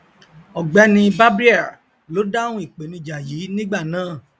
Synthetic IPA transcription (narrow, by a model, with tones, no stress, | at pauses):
ɔ˨ɡ͡bɛ˨˦nĩ˧ba˦bɾi˦ɛ˦˨ | lo˨˦da˦wũ˦i˦˨k͡pe˨˦nĩ˧d͡ʒa˨jiː˨˦nĩ˦ɡ͡ba˦˨nãː˦˨